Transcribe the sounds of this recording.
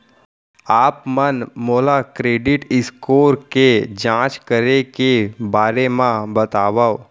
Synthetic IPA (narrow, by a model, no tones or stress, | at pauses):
aːpmənmoːlakɾeːɖɪʈɪskoːɾked͡ʒãːt͡ʃkəɾekebaːɾemãbət̪aːʋao